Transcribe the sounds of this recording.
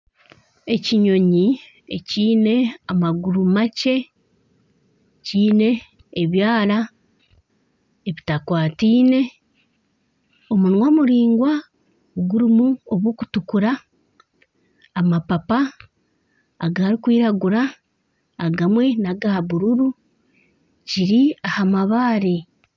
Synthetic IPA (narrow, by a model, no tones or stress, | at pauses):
e̞ciɲo̞ɲi | ḛciːne̞amaɡuɾumace̞ | ciːne̞ː | βjaːla | eβitakwaːtiːne̞ | omunwamuɾiːŋɡwa | ɡuɾimuoβwoːkutukuɾa | mapapa | ɡaːɾikwiːɾaɡuɾaː | ɡamwe̞naɡahaβuɾuɾu | ciɾiahamaβaːɾi